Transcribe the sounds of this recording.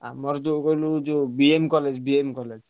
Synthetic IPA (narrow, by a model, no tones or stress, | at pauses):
a̰mɔɾd̪okolud͡ʒobiemkɔled͡ʒbiemkɔled͡ʒ